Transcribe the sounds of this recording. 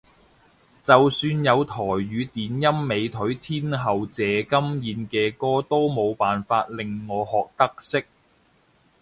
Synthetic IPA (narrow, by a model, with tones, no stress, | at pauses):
t͡sɐ˨wsyː˧njɐ˨˧wt̪ʰɔː˨˩jɥyː˨˧t̪iː˨˥njɐ˥mːe˨˧jt̪ʰɵ˨˥ɥt̪ʰiː˥nɦɐ˨wt͡sɛː˨˥kɐ˥mjiː˨˧nkɛː˧kɔː˥t̪o˥wmo˨˧wpaː˨nfaː˧t̚lɪ˨˩ŋːɔː˨˧hɔː˨k̚t̪ɐ˥k̚sɪ˥k̚